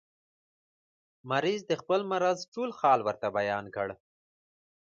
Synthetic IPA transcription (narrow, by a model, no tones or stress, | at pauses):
maɾizd̪əxpəlmaɾazʈolxɑlwəɾt̪abajɑnkəɽ